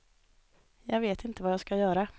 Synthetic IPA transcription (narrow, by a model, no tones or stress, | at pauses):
jɑːɡveːt̪ɪnt̪əvajaːskajœːɾa